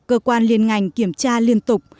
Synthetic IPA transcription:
kəː˧kwaː˧nli˧ənŋa˨˩jŋ̟ki˧˩əmt͡ɕaː˧li˧ənt̪ʊ˨˩k͡p̚

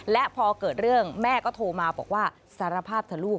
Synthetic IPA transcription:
lɛ˦˥ʔpʰɔː˧kɤː˨˩t̪̚ɾɯ˥˩əŋmɛː˥˩kɔː˥˩t̪ʰoː˧maː˧bɔ̰ː˨˩k̚waː˥˩ | saː˨˦ɾa˧pʰaː˥˩p̚t̪ʰa˨˩luː˥˩k̚

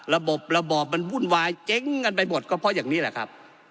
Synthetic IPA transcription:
la˧bo˨˩p̚la˧bɔː˨˩p̚ma˧˥nwu˧˥˨nwaː˧jt͡ɕe˦˥ŋːa˧npa˧jmo˨˩t̪̚kɔː˧˩pʰɔ˧˥˨jaː˨˩ŋniː˦˥˩la˧˩kʰa˦˧˥p̚

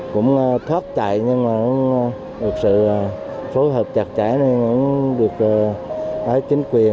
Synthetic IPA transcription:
kʊ̰˧˥wŋ͡mʔt̪ʰwaː˦˥t̚t͡ɕa̰ː˧˨jɲɨ˧ŋmaː˨˩ʊ̰˧˥ŋ͡m | ɗɨ˨˩ək̚sɨ̰˧˨˩ | so˨˦ɦəː˨˩p̚t͡ɕa˨˩k̚t͡ɕa̰˧˩˦jna˨˧˩ʊ̰˧˥ŋ͡mɗɨ˨˩ək̚ːʔəː˨˦jt͡ɕï˨˦ŋ̟kwi˨˩ə

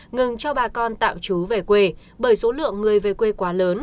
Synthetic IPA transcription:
ŋɨ˨˩ŋt͡ɕɔ˧ɓaː˨˩kɔ˧nt̪a̰ː˧˨mt͡ɕu˨˦ve˨˩kwe˧ | ɓəː˧˩jso˨˦lɨ̰˧˨əŋːɨ˨˩əjve˨˩kwe˧kwaː˨˦ləː˨˦n

